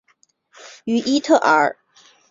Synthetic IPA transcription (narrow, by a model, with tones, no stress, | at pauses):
y˧˥ʔi˥t̪ʰɤ˥˩ʔə̰˞˨˩˧